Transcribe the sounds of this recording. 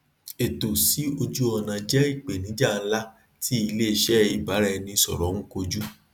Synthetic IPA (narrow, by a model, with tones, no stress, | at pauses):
e˨to˨si˨˦o˧d͡ʒu˦ɔ˧nã˨d͡ʒɛ˦i˦˨k͡pe˨nĩ˨˦d͡ʒa˦˨n̩˦la˦ | ti˦i˧le˦˨ʃɛ˦i˨ba˨˦ɾɛ˧nĩ˧sɔ̰˨ɾɔ̃˨˦ŋ̩̃˦ko˧d͡ʒu˦